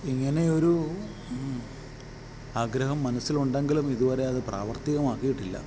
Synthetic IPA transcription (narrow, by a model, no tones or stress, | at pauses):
iŋːɐne̞o̞ɾu | aːɡɾɐɦɐmːɐnɐsːiluɳɖeŋɡilumiðuʋɐɾe̞ɐðɨpra̰ːʋɐrt̪iɣɐmaːkːijiʈːilːɐ̰